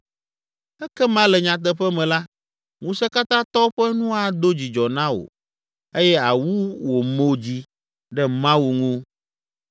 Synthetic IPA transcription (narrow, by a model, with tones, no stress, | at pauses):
ɛ˦kɛ˦mã˦lɛ˨ɲã˨t̪̬ɛ˦ɸɛ˦mɛ̃˨la˦ | ŋũ˦sɛ˦ka˦t̪ã˦t̪ɔ˦ɸɛ˦nũ˦a˨d̪o˦d͡ʑi˨d͡ʒɔ˨nã˦o̰˨ | e˦jɛ˦a˨wu˦wo˨mo˦d͡ʑi˦ | ɖɛ˦mã˦wu˨ŋũ˦